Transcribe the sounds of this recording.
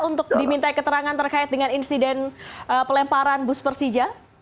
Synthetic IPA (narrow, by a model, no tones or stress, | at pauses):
unt̪ʊk̚dimint̪aikət̪əɾaŋant̪ərkaɪt̪̚dəŋaninsidɛnəpəlɛmpaɾanbʊspərsid͡ʒa